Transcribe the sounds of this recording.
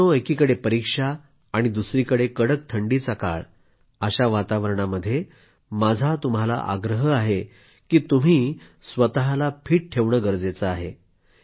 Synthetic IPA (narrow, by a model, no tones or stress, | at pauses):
oekiːkəɽepəɾikʂaː | ɽ̃id̪usɾiːkəɽekəɽəkt̪ʰəɳɖiːt͡saka̰ɭ | əɕaʋat̪aʋəɾɳaməd̪ʱːje | mad͡zʱat̪um̤ala̰ʔa̰ɡɾəɦəaɦe | kiːt̪um̤iː | sʋət̪aɦalapʰiːʈ̚ʈʰeʋɳəɡəɾd͡zet͡səaɦe